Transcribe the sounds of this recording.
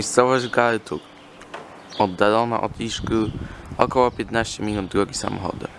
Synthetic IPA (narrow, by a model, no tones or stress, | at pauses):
jst̪sɔvad͡ʑvɡaɾt̪uk | ɔd̪ːalɔna̰ʔɔd̪iʂkɘɔkɔwɔpʲjɛt̪naɕt͡ɕɛmʲilʲund̪ɾɔɡʲisa̰mɔ̰xɔ̰d̪ɛ̰